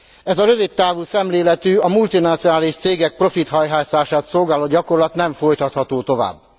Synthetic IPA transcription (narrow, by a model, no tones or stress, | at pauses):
ɛzɒɾøvit̪ːaːvulsɛmleːlɛt̪yːɒmult̪inɒt̪sionaːliʃt̪seːɡɛk̚pro̞fit̪hɦɒjɦaːsaːʃaːt̪so̞lɡaːloːɟɒko̞rlɒt̪nɛɱfo̞jt̪ɒt̪hɒt̪oːt̪o̞va̰ːbː